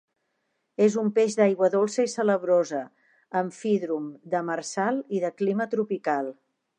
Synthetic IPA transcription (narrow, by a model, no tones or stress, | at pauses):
ezumpeʒd̪ajɣwəðolˠsəisələβɾozə | əɱfiðɾumd̪əmərsalˠiðəklimət̪ɾupikalˠ